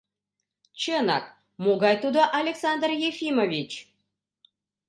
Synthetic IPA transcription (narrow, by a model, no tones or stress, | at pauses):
t͡ɕənɑ̰k̚ | moɡɑjt̪ud̪əʔalʲeksɑnd̪rjefʲimovʲit͡ɕ